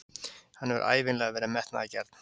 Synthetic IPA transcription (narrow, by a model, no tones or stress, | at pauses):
hanːɛvʏ̰ɾʔa̰ːjvɪnlɛːɣavɛːɾamɛht̪na̰ðacɛɾ̥t̪n̥